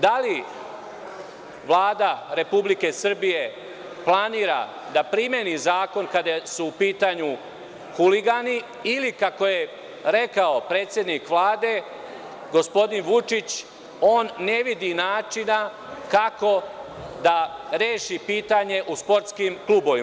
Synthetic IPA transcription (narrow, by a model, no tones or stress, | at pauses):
d̪ali | ʋlˠaːd̪aɾe̞publike̞sr̩bije̞ | plˠaniːɾa̰ | d̪apɾimje̞nizaːko̞nkad̪asuːpiːt̪aɲu | xuliɡaniː | likako̞je̞ | ɾe̞kao̞pɾe̞ːt̪sʲjed̪nikʋlˠaːd̪e̞ | ɡo̞spo̞d̪inʋut͡ʃit͡ɕ | o̞ːnːe̞ʋid̪inaːt͡ʃina | kako̞ | d̪aɾeːʃipiːt̪aɲe̞ʔuspo̞ɾt̪skimklˠuːbo̞ʋi